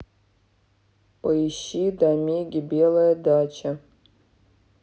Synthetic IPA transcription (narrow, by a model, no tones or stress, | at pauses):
pʼɐiʃidamʲeɡʲɪbʲelˠɐjɐdat͡ʃʰɐ